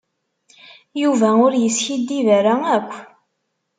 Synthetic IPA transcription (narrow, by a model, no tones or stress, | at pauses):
juvæʊɾjəsçid̪ːivæɾæækʷː